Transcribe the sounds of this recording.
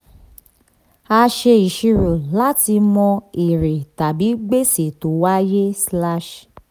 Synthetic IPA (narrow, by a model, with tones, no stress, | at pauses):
a˧ʃe˧i˨ʃi˧ɾu˨la˦ti˧mɔ̃˧i˨ɾe˨ta˨bi˨˦ɡ͡be˦se˨to˨˦wa˦je˦sla˦ʃ